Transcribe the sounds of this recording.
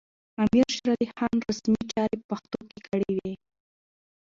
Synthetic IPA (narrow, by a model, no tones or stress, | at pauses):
amiɾʃɾalixɑnɾasmit͡ʃɑɾepaxt̪okekəɽewe